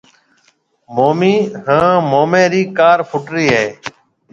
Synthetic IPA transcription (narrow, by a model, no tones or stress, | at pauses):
moːmiːɦãːmoːmẽːɾiːkaːɾpʰʊʈɾiːɦeː